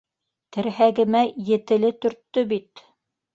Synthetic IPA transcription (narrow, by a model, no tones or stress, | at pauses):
t̪ɘ̆ɾɦæɡɘ̆mæjɘ̆t̪ɘ̆lɘt̪ɵ̆ɾt̪ːɵbit̪